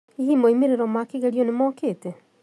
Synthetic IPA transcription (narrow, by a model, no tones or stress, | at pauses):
iɣimoimeɾeɾɔmakeɣeɾiɔnemɔːkeːtɛ